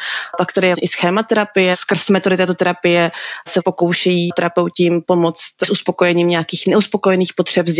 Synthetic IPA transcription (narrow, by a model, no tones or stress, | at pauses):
pakt̪adɪjɛʔɪsxɛːmat̪ɛɾapɪjɛskr̩smɛt̪odɪt̪ɛːt̪o̞t̪ɛɾapɪjɛsɛpo̞ko̞wʃɛjiːt̪ɛɾapɛwcɪmpo̞mo̞t͡st̪sʔuspo̞ko̞jɛɲiːmɲɛakiːxnɛuspo̞kojɛniːxpot̪r̝̥ɛpz